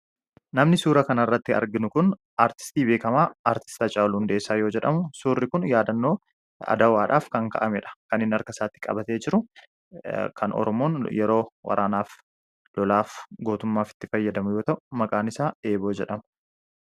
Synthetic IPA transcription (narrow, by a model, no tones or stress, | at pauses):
nɐmnɪsuːɾɐkɐnɐɪrːɐt̪ːɪɐ̰ɾɡɪnʊkʊn | aːɾt̪ɪ̥st̪iːbe̞ːkɐmaːaːɾt̪ɪ̥st̪ɐt͡ʃʼaːlʊʊnd̪eːsːaːjo̞ːd͡ʒɛᶑɐmʊsuːrːɪkʊnjaːd̪ɐnːo̞ː | ɐ̰d̪ɐwaːᶑaːfkɐŋkɐ̰ʔɐmɛᶑɐ̥kɐnɪnɐɾkɐsaːt̪ːɪkʼɐ̰bɐt̪eːd͡ʒɪɾʊ | kʰɐnɔ̰ɾɔmoːnjɛɾo̞ːwɐ̰ɾʔaːnaːf | lɔlaːfɡo̞ːt̪ʊmːaːfɪ̥t̪ːɪfɐjːɐd̪ɐmʊjoːt̪ɐʔʊmɐkʼaːnɪsaːe̞ːbo̞ːd͡ʒɛᶑɐmʊ̥